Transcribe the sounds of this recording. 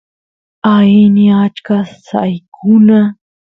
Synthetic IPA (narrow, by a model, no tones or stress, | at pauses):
ainiat͡ʃkassa̰jkʰʊna